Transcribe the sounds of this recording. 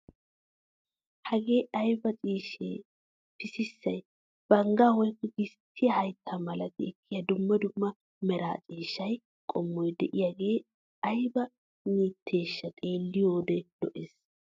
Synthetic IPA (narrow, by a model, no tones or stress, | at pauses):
hɐɡe̞ːɐjbɐt͡sʼiːʃḛː | pɪsɪsːɐj | b̥ɐŋɡaːwɔjkːɛɡɪst̪ʰːɪjɐhɐjt̪ʰːamɐlɐt̪ɪɛkːɪjɐd̪ʊmːɐd̪ʊmːɐ | mɛɾa̰ːt͡sʼiːʃːɐj | kʼɔmːɔjd̪ɛʔɪjaːɡe̞ː | ɐjbɐ | niːt̪ʰːe̞ːʃːɐkʼe̞ːlːɪjoːd̪ɛlɔʔeːs